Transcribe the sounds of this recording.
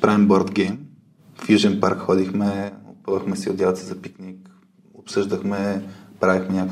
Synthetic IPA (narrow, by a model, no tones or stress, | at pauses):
pɾavimbɔɾd̪ɡɛjm | fjiʒɛnpaɾkxɔd̪ixmɛʊ̰pɤvəxmɛsiʊd̪ʲjalˠt̪sizɐpiknʲik | ʊpsɤʒd̪əxmɛpɾavixmɛnʲak